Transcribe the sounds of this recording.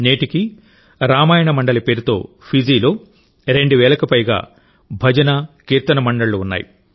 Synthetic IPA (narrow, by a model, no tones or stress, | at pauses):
neːʈiki | ɾaːmaːjɐɳɐmɐɳɖɐlɐpe̞ːɾut̪o̞̰ː | pʰid͡ʒiːloː | ɾe̞ɳɖuʋɛːlɐkɐpɐjɡa̰ː | bʱɐd͡ʒɐnɐkiːɾt̪ɐnɐmɐɳɖɐɭːuːnːa̰ːjḭ